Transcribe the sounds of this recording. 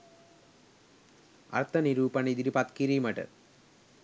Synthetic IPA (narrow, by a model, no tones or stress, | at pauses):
ɐ̰rt̪ʰɐniɾuːpɐnid̪iɾipɐt̪kiɾiːmɐʈɨ̰